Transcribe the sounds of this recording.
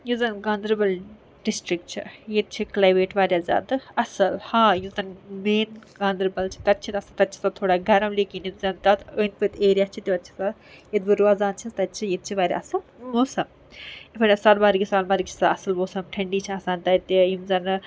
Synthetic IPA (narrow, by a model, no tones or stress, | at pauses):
juzɐnɡaːnd̪ɾbɐl | ɖisʈɾik̚ʈt͡ʃʰḭjet̪̚t͡ʃʰiklajmeːʈʋaːɾʲjazʲa̰ːd̪ɨɐsɐlhãːjuzɐnmeːnɡãːnd̪ɾbɐlt͡ʃʰi̥t̪ɐt̪̚t͡ʃʰit̪ɐsɐt̪ɐt̪̚t͡ʃʰi̥sɐt̪ʰoːɽaːɡɐɾɐmlikinimzɐnt̪ɐt̪əːnpət̪ʰeːɾʲjaːt͡ʃʰit̪iʋɐt̪t͡ʃʰi̥sa | jid̪bɐɾuaːzaːnt͡ʃʰit̪ɐt̪̚t͡ʃʰijit̪̚t͡ʃʰiʋaːɾʲa̰ɐsɐmmoːsɐm | ifʰɐɾʲasɐɾbaːɾiɡisaːnmɐːɾikt͡ʃʰi̥saɐsɐlmoːsɐmʈʰɐɳɖiːt͡ʃʰiaːsaːnt̪ɐt̪ijimzɐn